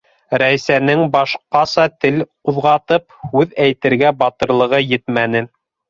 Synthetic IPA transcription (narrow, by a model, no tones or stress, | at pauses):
ɾæsænɘŋbɑʃqɑsɑt̪ɘlquðʁɑt̪ɤphʉðæjt̪ɘ̆ɾɡæbɑt̪ɤ̆ɾlˠɤ̆ʁɤjɘt̪mænɘ